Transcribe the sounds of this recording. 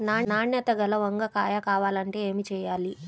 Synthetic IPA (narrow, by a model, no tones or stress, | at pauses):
naːnaːɳjɐt̪ɐɡɐlɐʋɐŋɡɐkaːjɐkaːʋaːlɐɳʈe̞ːeːmit͡ʃɛːjaːli